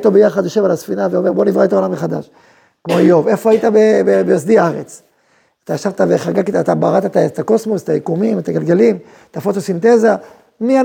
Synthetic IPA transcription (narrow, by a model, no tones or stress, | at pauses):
t̪o̞bejaχad̪joʃe̞valasfinaveo̞me̞ʁbo̞nivʁat̪aolameχad̪a̰ʃ | kmojo̞ve̞foait̪abebebejosd̪iaaʁḛt͡s | at̪aaʃavt̪aveχaɡakit̪ːt̪abaʁat̪aet̪aet̪ako̞smoset̪ajikumimet̪aɡalɡelim | t̪afot̪osint̪e̞za | mia